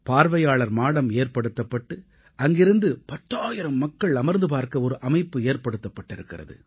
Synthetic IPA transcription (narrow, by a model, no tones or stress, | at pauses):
paːɾʋɐjaːɭɐɾmaːɽɐmeːrpɐɽɯt̪ːɐpːɐʈːɯ | ʔɐŋɡɪɾɯnd̪ɯpɐt̪ːaːjɪɾɐmːɐkːɐɭɐmɐɾnd̪ɯpaːɾkɐɔɾɯʔɐmɐɪpːɯeːrpɐɽɯt̪ːɐpːɐʈːɪɾɯkːɪrɐ̰ðɯ̰